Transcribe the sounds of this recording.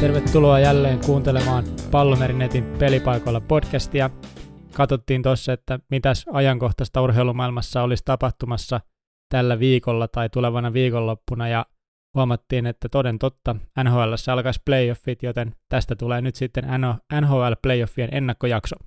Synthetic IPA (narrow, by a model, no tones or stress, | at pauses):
t̪e̞rʋet̪ːuloɑjælːe̞ːŋkuːnt̪elemɑːnpɑlːomeɾinet̪ipe̞lipɑjko̞lːɑpo̞dkæst̪iɑkɑt̪ot̪ːiːnt̪osːɑet̪ːæmit̪æsɑjɑŋko̞ht̪ɑst̪ɑurɦe̞ilumɑilmɑsːɑolist̪ɑpɑht̪umɑsːɑ | t̪ælːæʋiːkolːɑt̪ɑit̪uleʋɑnɑʋiːkolːopːunɑjɑ | huɑmɑt̪ːiːnet̪ːæt̪ode̞nt̪ot̪ːɑænɦoːælːæsːæɑlkɑsplejofːit̪jot̪e̞nt̪æst̪æt̪uleːnyt̪sit̪ːenænænɦoːælplejofːienʔe̞nːɑkːojɑkso